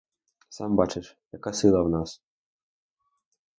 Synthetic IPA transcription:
sɑmbat͡ʃɪʃjɐkasɪlˠɐwnɑs

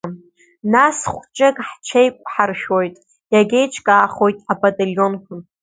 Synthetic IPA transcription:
nasχʷt͡ʃʼɨkʼħt͡ʃʰejkʷʼħarʃᶣojtʼ | jaɡʲe̞jt͡ʃʰkʼaːχo̞jtʼabatʼaljo̞nkʷʰʊn

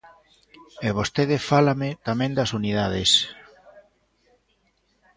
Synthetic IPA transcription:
eβ̞ost̪eðefalamet̪amẽnd̪asuniðaðes

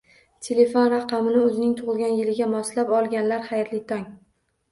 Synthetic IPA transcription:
t̪ʰele̞fonɾɑqʰɑmɪnɪɵzɪnɪŋt̪ʰʊʁɨlˠɡʲanjɪlɪɡʲamɒslapɒlˠɡʲanlaɾhajɾlɪt̪ʰɒŋ

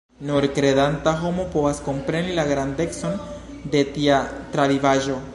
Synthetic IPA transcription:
noɾkɾeðant̪axomopoaskompɾenilaɣɾand̪ekson | d̪et̪iat̪ɾaβiβaʒo

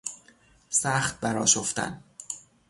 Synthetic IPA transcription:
sæːxt̪̚bæɾɒ̰ːʃoft̪æ̰n

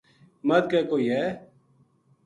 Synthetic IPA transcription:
məd̪̚kɛːkoːiːɦɛː

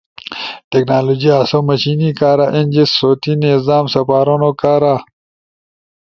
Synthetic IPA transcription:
ʈeknaːloːd͡ʑiaːsomɐɕiːnikaːɾaʔind͡ʑisːoːt̪inezaːmsɐpaːɾonokaːɾa

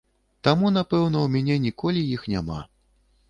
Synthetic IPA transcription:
t̪amunapɛwn̪ɐwmʲanʲɛnʲikɔlʲijixnʲa̰ma̰

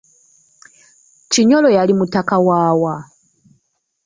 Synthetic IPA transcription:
t͡ʃiɲɔlɔjalimutakawaːwa

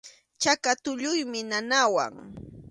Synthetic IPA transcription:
t͡ʃakat̪ʊʎʊjmɪnanawa̰ŋ

